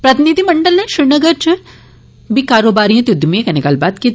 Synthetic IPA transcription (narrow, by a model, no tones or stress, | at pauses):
pɾɐt̪inid̪ʱimɐɳɖəlnẽʃɾɪɾnɐɡəɾt͡ʃɨ | bʱikaːɾoːbaːɾijãt̪jʊd̪ʱːmiẽkɐnekɐlbaːt̪ki